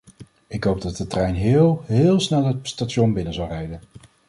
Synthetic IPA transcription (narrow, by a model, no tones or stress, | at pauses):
ɪkɦowb̚dɑt̚dətrɛjnɦɪːlˠɦɪːlˠsnɛlˠət̚statʃɔnbɪnəzɑlˠrɛjdən